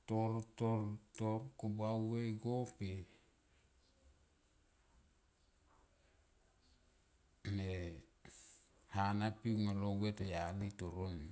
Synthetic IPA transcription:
toɾtoɾtoɾkobawweɡope | me | hanapiŋalowetojalitoɾon

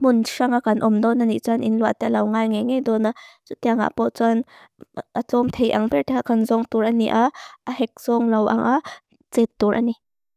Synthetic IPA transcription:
mʊnʂaŋakanʔɔmd̪ɔnːaniʔt͡sanʔinluat̪ɛlɐwŋaːjŋejŋejd̪ɔnat͡sut̪iaŋa̰ʔpɔʔt͡san | ʔət͡sɔmt̪ʰejʔaŋpɛɹt̪ɛkakanzɔŋt̪uɾʔanḭʔaahɛk̚z̥ɔŋlɐwʔa̰ŋʔa | t͡sɛt̪ːuɾʔa̰ni

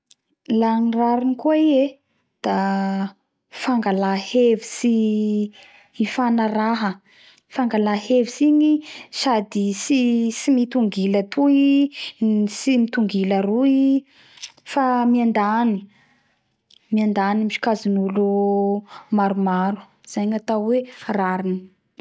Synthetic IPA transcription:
laniraɾinikueie | d̪̥a | faŋɡalahevisi | fanaɾaɦə | faŋɡalahevisiɲisad̪isisimit̪uŋɡilət̪ʰui | simit̪uŋɡilərui | famiand̪ani | miand̪animiʃi̥kazinulu | maɾumaɾu̥ | z̥aɲat̪awweraɾini̥

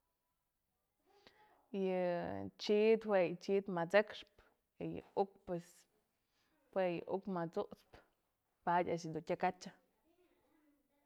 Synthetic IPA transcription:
jɨt͡ʃit̪wejt͡ʃit̪mat͡sekʂp | ijɨ̰ukpwes | pwejɨ̰ʔukmat͡suʔt͡sp | padʲaʃ̬id̪utʲakat͡ʃa

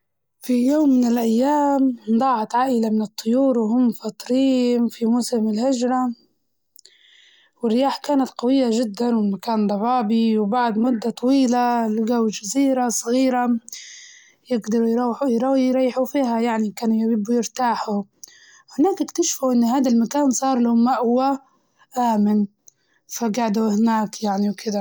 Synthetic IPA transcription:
fijoːmːɪnɪlʔajːaːmd̪ˤɑːʕɑt̪ʕaːʔɪlamɪnɨt̪ˤːʊjuːɾwhʊmːfɑt̪ˤɾiːnfimʊsɪmɪlhɪd͡ʒɾˤɑ | wɪrːɪjaːħkaːnat̪qɑwɪjːaʒɪd̪ːanwɪlmakaːnd̪ˤɑbɑːbiwbaʕd̪mʊd̪ːat̪ˤɑwiːlalɡawd͡ʒaziːɾasˤɣiːɾa | jɪɡd̪ɑɾˤjɾɑːħjɾˤɑjɾˤɑjːħufiːɦajaʕnikaːnjabɪbːujɪɾt̪aːħu | hɪnaːkʔɪkt̪aʃfuʔɪnːhaːd̪almakaːnsˤɑːɾˤlahʊmːaʔʊwːa | ʔaːmɪn | faɡaʕd̪uhnaːkjaʕniwkʰɪd̪a

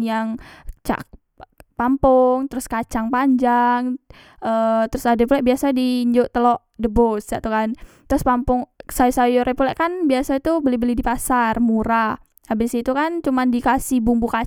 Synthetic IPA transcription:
jaŋt͡ʃa̰k̚ | pampʊŋt̪əɾʊskat͡ʃaŋpaɲd͡ʒaŋ | ʔət̪əɾʊsadapulɛʔbiasadiːɲd͡ʒoʔt̪əlɔʔ | dəbʊsja̰ʔt̪ukant̪əɾʊspampʊŋsajusajoɾepulɛʔkanbiasait̪ubəlibəlidipasarmuɾa | abəsiit̪ukant͡ʃumandikasɪhbumbuka

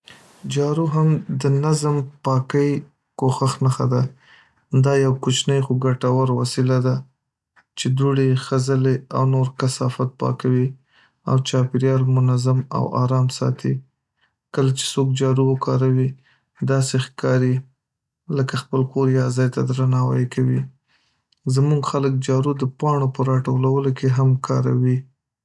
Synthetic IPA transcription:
d͡ʒɑɾuɦamd̪ənazmpɑkəj | koxaxnaxad̪a | d̪ɑjawkut͡ʃnəjxoɡaʈawaɾwasilad̪a | t͡ʃed̪uɽexazəlea̰wnoɾkasɑfat̪̚pɑ̰kawi | a̰wt͡ʃɑpɪɾjɑɾmʊnazama̰wɑ̰ɾɑmsɑ̰t̪ʰi | kəlat͡ʃe̥sok̚d͡ʒɑɾuwəkɑɾawi | d̪ɑsexkʰɑɾi | ləkaxpəlkoɾjɑzɑjt̪ad̪ɾanɑwa̰jekawi | zmuɡxalək̚d͡ʒɑɾud̪əpɑɳopəɾɑʈolawəlokeɦamkʰɑ̰ɾa̰wi

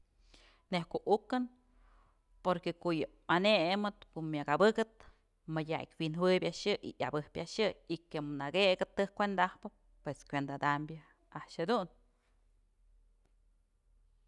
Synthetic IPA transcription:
nehkoʔukɨn | poɾkekoʔjɨ | anemɨt̪komʲjaɡabɨɡɨt̪̚ | madʲa̰kʲwinwɨbʲjaʔʃɨʔḭʔa̰bɨhpʲaʔʃɨikemnaɡeɡɨt̪ːɨhkʷend̪ahpɨ | pweskʷend̪ad̪ambʲja | aʔʃhad̪un

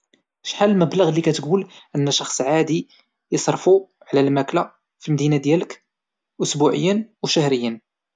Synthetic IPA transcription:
ʃħallməbləɣlːikæt̪ɡulʔənːæʃɑxsˤʕad̪i | jəsˤɾˤfu | ʕlælmækla | filmd̪inad̪jælək | ʔʊsbuʕəjːənwʃæhɾəjːən

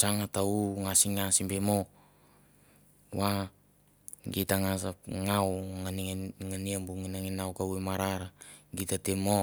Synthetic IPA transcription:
saŋatauŋasiŋasimbemo | wa | ɡitaŋasapŋawŋanŋaniambuŋinaŋinawkawemaɾaɾaɡitatemo

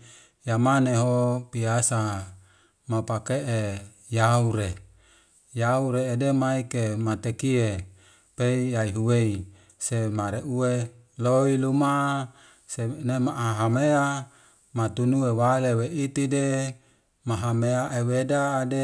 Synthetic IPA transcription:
jamaneɦopiasa | mapakeʔe | jauɾe | jauɾeːdemaikemat̪ekie | peiaiɦuwei | semaɾeʔuwe | loiluma | senemaʔaɦamea | mat̪unuewaleweʔit̪ide | maɦameaʔewedaːde

